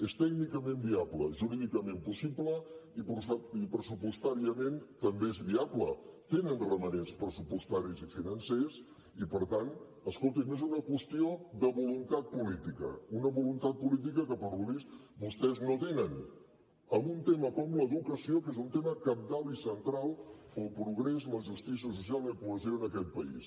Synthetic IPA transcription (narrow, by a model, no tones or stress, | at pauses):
est̪ɛɡnikəmembiabləʒuɾiðikəmempusibləiipɾəsupust̪aɾiəment̪əmbeezβiablə̰t̪enənrəmənenspɾəsupust̪aɾizifinənses | ipəɾt̪an | əskolˠt̪inezunəkwəst̪ioðəβulunt̪at̪̚pulit̪ikə̰unəβulunt̪at̪̚pulit̪̬ikəkəpəɾluβist̪bust̪ɛznot̪enən | əmbunt̪eməkɔmləðukəsiokezunt̪eməkəp̚d̪aβlisənt̪ɾalˠəlˠpɾuɣɾezməʒust̪is̬iəs̬us̬ialˠəpuəzioənəkɛt̪̚pəḭs